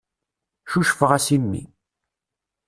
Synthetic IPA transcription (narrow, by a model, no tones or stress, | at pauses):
ʃuʃfəʁæsimːḭ